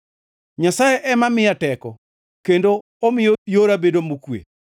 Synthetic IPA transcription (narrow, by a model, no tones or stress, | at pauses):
ɲasajeʔɛmamɪjatɛkɔ | kendoː | mɪjojoɾabedomukwḛ